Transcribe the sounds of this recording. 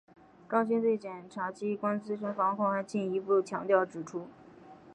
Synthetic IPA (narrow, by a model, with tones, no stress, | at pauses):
kɑ˥ŋɕi˥nt͡swe˥˩ɪt͡ɕjɛ˨˩nʈ͡ʂʰa˧˥t͡ɕi˥kwa˥nt͡sɹ̩˥ʂə˧˥fɑ˧˥ŋkʰʊ˥˩ŋxa˧˥ɪt͡ɕi˥˩ni˧˥pu˥˩t͡ɕʰjɑ˧˥ŋt̪jɑ˥˩ʊʈ͡ʂɻ̩˨˩ʈ͡ʂʰu˥